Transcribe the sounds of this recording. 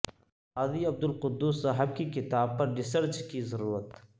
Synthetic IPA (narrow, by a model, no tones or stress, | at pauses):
aziɐb̚d̪ʊlqʊd̪ːuːsːaɦɐb̚kikɪt̪aːb̚pɐɾɖɪsɐɾt͡ʃkizɐɾuːɾət̪